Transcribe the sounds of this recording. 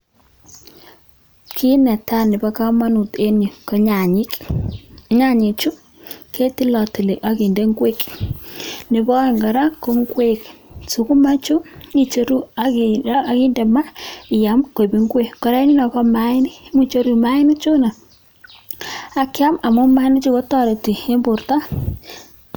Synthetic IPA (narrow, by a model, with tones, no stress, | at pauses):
kʰi˦nɛ˨ta˦nɪ˨ba˦ka˦ma˦nu˨t̪e˦ni˨kɔ˦ɲa˨ɲɪ˦k | ɲa˦ɲi˨t͡ʃu˦ | ke˦ti˦lɔ˨ti˨li˨ʔa˨ki˨nde˦ŋɡwe˦k | nɪ˨bɔ˦˨ŋɡa˨ɾa˦ko˦ŋɡwe˦ksu˨ku˦ma˦t͡ʃu˦ni˨t͡ʃo˦ɾu˦a˨˦a˨ki˦ndɛ˨ma˦ɪ˨ja˨mke˨bi˨˦ŋɡwe˦kɔ˨ɾe˦ni˦na˨kɔ˦ma˦ɪ˦ni˦mu˦t͡ʃo˦ɾu˨ma˦ɪ˦ni˦t͡ʃu˦na˨ | a˨kɪ˦a˦ma˨mʊ˦ma˦ni˦t͡ʃu˦ko˦tɔ˦ɾe˨ti˨e˦mbʊ˨ɾta˦